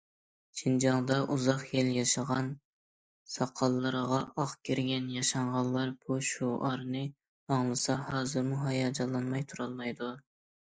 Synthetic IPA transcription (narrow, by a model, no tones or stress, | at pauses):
t͡ʃʰind͡ʒɑŋd̪ɑʔuzɑχjeljɑʃɑʁɑn | sɑqʰːɑlˠːəɾəʁɑʔɑχkʲʰeɾɡʲɛnjɑʃɑɴʁɑlˠlːˠɑɾb̥uʃuɑɾnɨ | ɑŋlˠɨsɑhɑːzɨɾmuɦɑjɑd͡ʒɑlˠːɑnmɑjt̪ʰuɾɑlˠmɑjd̪u